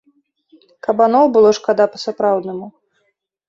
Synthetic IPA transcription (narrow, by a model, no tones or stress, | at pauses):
kɐbanɔbɨlˠɔʂkad̪apɐsapɾawd̪nɨmu